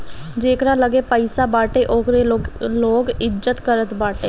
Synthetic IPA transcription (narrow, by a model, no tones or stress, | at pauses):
d͡ʒeːkɾaːləɡeːpəɪsaːbaːʈeːʔoːkɾeloːɡɪd͡ʒət̪kəɾət̪baːʈeː